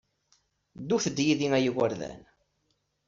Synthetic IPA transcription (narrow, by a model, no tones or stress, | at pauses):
d̪uθəd̪ːjiðiŋæjəwəɾðæ̰n